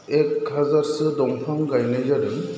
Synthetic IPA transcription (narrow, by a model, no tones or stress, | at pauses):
ek̚hazaɾsɯdɔŋpʰaŋɡajnɯzaɾɯm